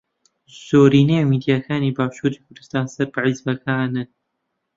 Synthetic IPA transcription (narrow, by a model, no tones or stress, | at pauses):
z̥oːɾiːneːmiːd̪ijaːkʰaːniːbaːʃuːɾiːkʰʊɾd̪ɨst̪aːnsɐɾbɨʕizbɐkʰaːnɨn